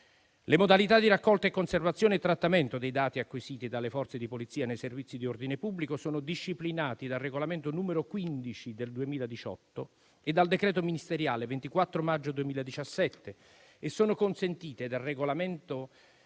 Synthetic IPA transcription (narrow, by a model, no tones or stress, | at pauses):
lemod̪alit̪ad̪iɾakːɔlt̪aekːonservat̪sːjoːneet̪ːɾat̪ːament̪od̪ejd̪aːt̪iakːwisiːt̪id̪alefɔrt̪sed̪ipolit̪sːiːanejservit̪sːid̪iord̪inepubːlikosoːnod̪iʃːiplinaːt̪id̪alreɡolament̪onuːmeɾokwind̪it͡ʃid̪eld̪uemiːlad̪it͡ʃɔ̰t̪ːo | ed̪ald̪ekɾɛːt̪ominist̪eɾjaːlevent̪ikwat̪ːɾomad͡ʒːod̪uemiːlad̪it͡ʃasːɛt̪ːeː | sːoːnokonsent̪iːt̪ed̪alreɡolament̪o